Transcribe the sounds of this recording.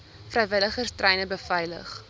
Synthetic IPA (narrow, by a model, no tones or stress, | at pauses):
frɛjvələχərstrʔɛjnəbəfɛjlə̰χ